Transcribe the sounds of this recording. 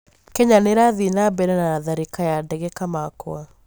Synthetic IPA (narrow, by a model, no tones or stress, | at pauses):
kɛɲaneɾaðinabɛɾɛnaaðaɾikajadɛɣɛkamakoa